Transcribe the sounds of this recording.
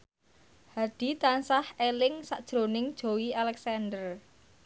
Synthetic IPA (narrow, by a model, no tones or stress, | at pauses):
had̪̥i̤t̪ansahelɪŋsaʔd̥ʒ̥ɾonɪŋd̥ʒ̥o̤wialɛksand̪ər